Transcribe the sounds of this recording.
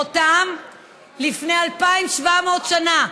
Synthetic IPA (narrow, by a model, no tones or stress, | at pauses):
ot̪am | lifne̞jalpaimʃvameotʃana